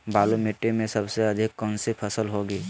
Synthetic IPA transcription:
baːlumeʈːemẽsəbseɐd̪ʱɪkːɔnsipʰəsəlɦoɡiː

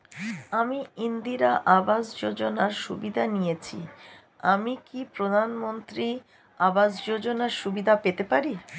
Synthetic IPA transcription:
amiind̪iɾaʔabasd͡ʑod͡ʑonaɾʃubid̪ʱanijet͡ɕʰḭ | amikipɾod̪ʱanmont̪ɾi | abasd͡ʑod͡ʑonaɾʃubid̪ʱapet̪epaɾi

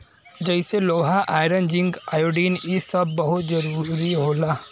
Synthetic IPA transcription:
d͡ʒəɪseloːɦaʔaːɪɾənd͡ʒɪ̃ŋɡaːjoːɖiːnisɐbːɐɦʊt̪zɐɾuːɾiɦoːlaː

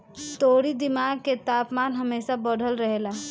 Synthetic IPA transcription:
t̪oːɽid̪ɪmaːɡ̚ket̪aːpmaːnɦɐmeːʃabɔɽ̤ʱəlɾəɦelaː

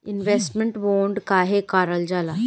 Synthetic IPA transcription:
inʋesʈməɳʈʋoɳɖkaɦekaɾəld͡zala

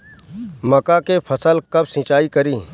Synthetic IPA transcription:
məkakepʰəsəlkəbsɪ̃t͡ʃaːikəɾĩː

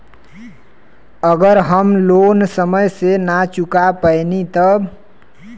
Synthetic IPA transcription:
əɡəɾɦəmlonsəməjsenat͡ʃukapəjnit̪əb

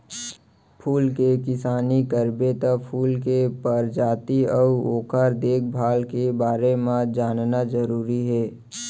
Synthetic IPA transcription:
pʰuːlkekɪsaːnikəɾbet̪əpʰuːlkepəɾd͡ʒaːt̪iəʊoːkʰaɾd̪eːkʰbʱaːlkebaːɾemãd͡ʒaːnnazəɾuːɾiɦɛː

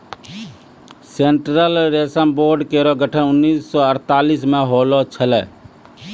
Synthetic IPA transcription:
seɳʈɾəlɾesənboɾɖkeɾɔɡəʈʰənʊnːiːsːɔəɾt̪alismeɦolɔt͡ʃʰəlɛ̰

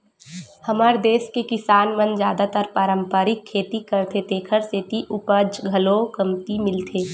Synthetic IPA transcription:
hɐmaːɾd̪eːskekɪsaːnmənd͡ʒjaːd̪at̪əɾpaːɾə̃mpəɾɪkʰːeːt̪ikəɾt̪ʰet̪eːkʰəɾseːt̪iʔʊpəd͡ʒɡʱɐloːkɐmt̪imɪlt̪ʰeː

